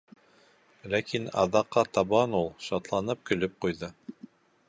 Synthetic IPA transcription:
lækinɑ̰ðɑqːɑt̪ɑβɑnulˠʃɑt̪lˠɑnɤp̚kɵ̆lɵp̚qujðɤ

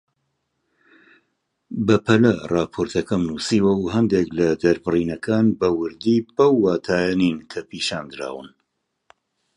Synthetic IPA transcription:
bɐpʰɐlɐrɑːpʰoːɾt̪ʰɐkɐmnuːsiːwɐuɦɐnd̪eklɐd̪ɐɾbɨriːnɐkʰaːnbɐwɨɾd̪iːbɐwːaːt̪ʰaːjaniːnkʰɐpʰiːʃaːnd̪ɨɾa̰ːwɨn

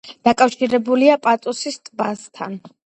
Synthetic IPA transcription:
d̪̥akʼafʃiɾɛbuliapʼat̪ʼusist̪ʼbast̪ʰa̰n

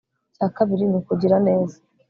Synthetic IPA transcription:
caːkaβiɾinikuɟiɾane̞ːzḁ

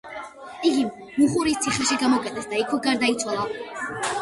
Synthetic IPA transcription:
iɡim | muχuɾist̪sʰiχɛʃiɡamɔkʼɛt̪ʼɛsd̪aikʰwɛɡaɾd̪ait̪sʰwalˠa

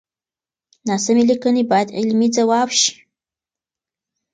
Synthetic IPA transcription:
naːsɨmilikənibad̪ilmid͡zawawʃ

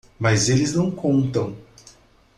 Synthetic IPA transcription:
mazelɪznɐ̃w̃kõnt̪ɐ̃w̃

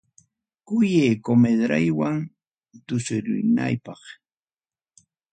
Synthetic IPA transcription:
kʊjeːkomed̪ɾajwaŋ | t̪ʊsʊɾʊ̰jna̰jpɑχ

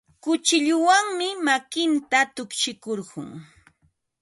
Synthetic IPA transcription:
kʊt͡ʃɪʎʊwaŋmɪmakɪnt̪at̪ʊkʃɪkoɾɢʊ̰ŋ

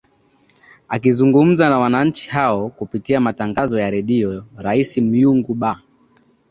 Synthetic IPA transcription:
akizuŋɡum̩zanawanaɲ̩t͡ʃi̥ɦaɔkupitiamataŋɡazɔjaɾɛɗiɔɾaisim̩juŋɡuɓa

